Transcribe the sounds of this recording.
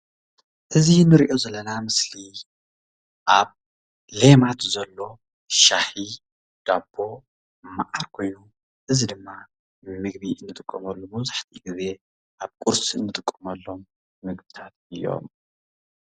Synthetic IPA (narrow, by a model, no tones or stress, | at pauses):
ʔɨzinːɨɾiʔo̞zɐlːɐnamɨsli | ʔaβ | le̞mat̪zɐlːo̞ | ʃaħi | d̪̥ab̥ːo̞ | mːaʔaɾkʰo̞jnu | ʔɨzid̪ɨmːa | mɨɡ̚βiʔɨnːɨt̪ʼɨkʼːɐmɐlːomɐβzaħt̪ʰiɡɨze̞ | ʔaβkʼuɾsɨnːɨt̪ʼɨkʼːɐmɐlːo̞mː | ɨɡbɨt̪ʰat̪ɨjːo̞̰m